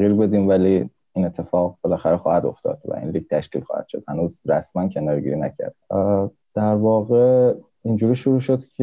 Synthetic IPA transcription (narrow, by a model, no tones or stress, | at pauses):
iːɾbe̞d̪iːmvæliː | iːnet̪ʰːe̞fɒːɣbe̞læxæɾexɒ̰ːhæd̪o̞̰ft̪ʰɒ̰ːd̪̥væ̰ʔḭːnlik̚t̪ʰæʃciːlxɒ̰ːhæ̰d̪ʃo̞̰d̪hænuːzɾæ̰smæncʰe̞nɒːɾɡḭːɾinæcʰæ̰ɾd̪̥ | d̪̥æɾvɒːɣe | ind͡ʒuːɾiːʃoɾuːʃo̞d̪cʰe